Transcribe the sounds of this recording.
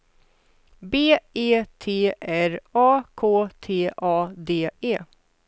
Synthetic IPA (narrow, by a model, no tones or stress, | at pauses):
beːeːt̪ʰeːʔæɾɑːkʰoːt̪ʰeːʔɑːd̪eːeː